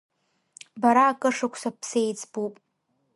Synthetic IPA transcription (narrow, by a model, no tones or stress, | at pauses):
baɾaːkʼɨʂakʷʰsapʰsejt͡sʰʼbupʼ